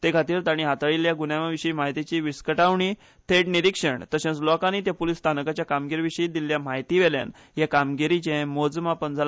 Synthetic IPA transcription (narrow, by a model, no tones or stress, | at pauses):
t̪ekʰat̪iːɾt̪aɽ̃iɦat̪aɭiljaɡunjaʋaʋiɕəimaɦit̪it͡ɕiːʋiskəʈaʋɳi | t̪ʰeʈniɾikʂəɳt̪əɕãt͡slɔkaniːt̪japulist̪ʰanəkat͡ɕjakamɡiɾʋiɕəid̪iljamaɦjt̪iʋɛlja̰n | jakamɡiɾit͡ɕẽmod͡zmapənd͡zʱal